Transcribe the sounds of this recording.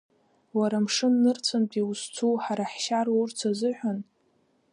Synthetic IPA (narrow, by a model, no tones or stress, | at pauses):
waɾamʂɨnnɨrt͡sʷʰanpʼiwust͡sʷʰuħaɾaħʃaɾurt͡sʰazɨħʷᶣan